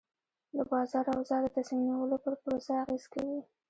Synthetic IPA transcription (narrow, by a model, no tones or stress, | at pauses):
d̪əbɑzɑɾawzɑd̪ət̪asinawəlopəɾpɾosaaɣezkawi